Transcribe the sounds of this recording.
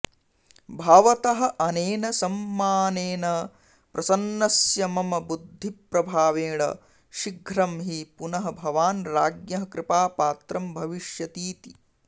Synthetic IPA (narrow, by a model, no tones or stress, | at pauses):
bʱaːʋɐt̪ɐɦɐ̆ʔɐneːnɐsɐmːaːneːnɐ | pɾɐsɐnːɐsjɐmɐmɐbud̪ʱːipɾɐbʱaːʋeːɳɐ̰ | ʃiɡʱɾɐmɦipunɐɦɐbʱɐʋaːnɾaːɡjɐɦɐkɾɪpaːpaːt̪ɾɐmbʱɐʋiʃjɐt̪iːt̪i